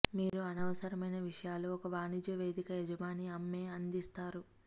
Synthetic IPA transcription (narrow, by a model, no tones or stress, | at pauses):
miːɾuɐnɐʋɐsɐɾɐmɐjnɐʋiʂɐjaːluɔkɐʋaːnid͡ʒjɐʋe̞ːd̪ikɐjɛd͡ʒɐmaːniɐmːe̞ːɐnd̪ist̪aːɾu